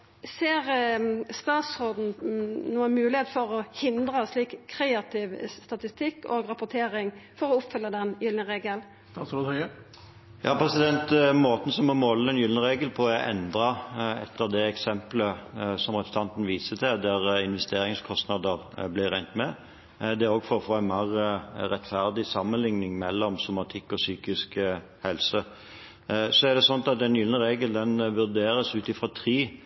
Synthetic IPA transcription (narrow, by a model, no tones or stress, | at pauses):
seːɾst̪ɑːt̪sod̪n̩nuːəmʉːlɪheːt̪fɔɾɔhɪnd̪ɾəsliːkkʰːɾeːɑt̪ʰɪʋst̪ɑt̪ɪst̪ɪkːoːɡɾɑpʊt̪ʰeːɾɪŋfɔɾɔʊpfʏlːəd̪ɛnjʏlnəʁeːɡəl | st̪ɑsɔd̪ə | jɑːpʰɾɛsɪd̪ɛnt̪moːt̪ən̩sɔmɔmɔlːəɛnjʏlnəʁeːɡəlpʰɔʔɛ̰nd̪ɾɑɛ̰t̪ːəʁd̪ɛɛksɛmpləsɔmʁɛt̪st̪ʰɑnt̪ən̩ʋiːsət̪ʰɛd̪æʁɪnʋɛst̪eːɾɪŋskʰɔst̪nɑd̪əʁ | blɪɾæɪnt̪mɛ | d̪ɛɾoːɡfɔɾɔfoːænmɑʁəɾɛt̪ːfæʁd̪ɪsɑmːənlɪŋnɪŋmɛlːɔmsʊmɑt̪ʰɪkːɔsyːkɪsk | hɛlsə | sɔæʁd̪ɛsɔnt̪ɑt̪ɛnjʏlnəʁeːɡəld̪ɛnʋʉd̪eːɾəsʉːt̪ɪfʁɑt̪ʰʁiː